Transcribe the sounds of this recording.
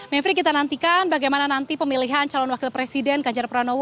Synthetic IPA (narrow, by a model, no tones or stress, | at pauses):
mɛfɾik̬it̪anant̪ikanbaɡajmananant̪ipəmiliɦant͡ʃalɔnwakilpɾesidɛnɡaɲd͡ʒarpəɾanow